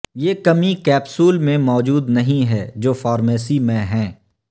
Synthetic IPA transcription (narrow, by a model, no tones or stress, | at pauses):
jeːkɐmikɛːpsuːlmẽmɔːd͡ʒuːd̪nɐɦĩɦɛd͡ʒoːfɔːɾmɛːsimẽɦɛ̃ː